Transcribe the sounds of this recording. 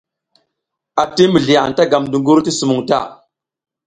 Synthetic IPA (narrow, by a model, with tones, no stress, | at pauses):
a˨ti˦mə˨ɮi˨a˨a̰˨ta˦ɡa˨mdu˨ŋɡu˦ɾti˦su˨mu˨ŋta̰˦˨